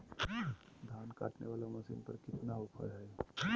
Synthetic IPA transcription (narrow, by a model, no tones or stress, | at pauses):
d̪ʱaːnka̰ːʈnḛʋaːlamɐsḭːnpɐɾkɪt̪naʊpʰə̰lɦɛ